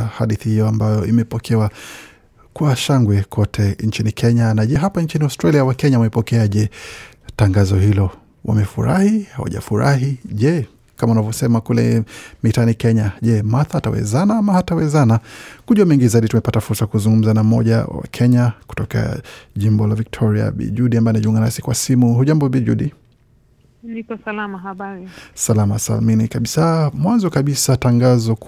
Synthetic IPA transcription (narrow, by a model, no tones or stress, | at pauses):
haɗiθihijɔambajɔimɛpɔkʰɛwa | kwaʃaŋɡwɛkʰɔtʰɛnɲt͡ʃinikʰɛɲanaʄɛɦapaɲt͡ʃiniaʊstɾaliawakɛɲawamɛpɔkɛaʄɛ | taŋɡazɔhilɔ | wa̰mɛfṵɾa̰hiha̰wa̰ʄa̰fuɾa̰ɦiʄɛ | kamaunavɔsɛmakulɛ̰mitanikɛɲaʄɛmaθahatawɛ̰zanaamahatawɛzanakuʄuwamɛŋɡizaiɗitumɛpatafuɾsakuzuŋɡum̩zanam̩ɔʄa̰wa̰kʰɛɲaku̥tɔka̰ʄimbɔlavik̚tʰɔɾia̰ɓḭʄuɗiambaɛnaʄiuŋɡanasi̥kwasimuhuʄambɔɓiʄuɗi | nikɔsalamaɦaɓaɾisalamasa̰lminikaɓisamwanzɔkaɓisataŋɡazɔ